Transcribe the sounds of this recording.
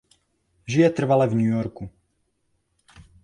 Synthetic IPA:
ʒijɛt̪r̩ʋalɛvɲuːjɔɾku

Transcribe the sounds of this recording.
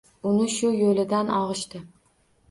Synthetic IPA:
ʊnɪʃʊjolɪd̪anɒʁɨʃt̪ɪ

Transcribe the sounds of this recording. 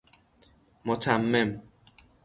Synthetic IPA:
mɔtʰam̩mɛm

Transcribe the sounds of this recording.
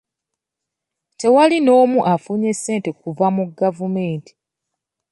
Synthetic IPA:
te̞walino̞ːmuʔafuːɲe̞se̞ːnte̞kuvamuɡavume̞ːnti̥

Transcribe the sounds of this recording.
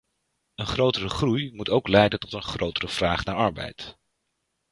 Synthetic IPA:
ənχrowtərəχrujmutowklɛjdəntɔtənχrowtərəv̥raːχnaːɹɑɹbɛ̰jt

